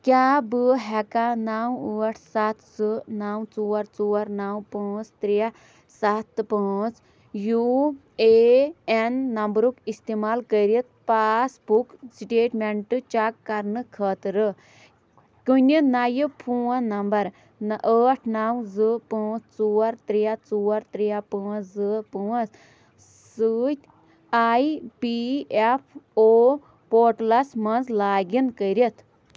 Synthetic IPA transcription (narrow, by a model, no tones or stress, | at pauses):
kʲaːbɨɦɛkanaːwəːʈʰsat̪sɨnaːwt͡suːɐɾt͡suːɐɾnaːwpəːt͡st̪ɾia | sat̪ːɨpəːt͡s | ju | eenːɐmbɾukist̪eːmaːlkəɾit̪̚paːsbuksʈeːʈmeɳʈɨt͡ʃakːɐɾnɨkʰəːt̪ɾɨ | kunʲinajɨpʰuːɐ̃nɐmbɐɾ | nʔəːʈʰnaːwzɨpɨːt͡st͡suːɐɾt̪ɾijat͡suːɐɾt̪ɾijapɨːɐszɨpɨɐs | sɨːt̪ʲ | aːipiepʰoː | poːʈlɐsmɐnzlaːɡʲinkəjɾit̪ʰ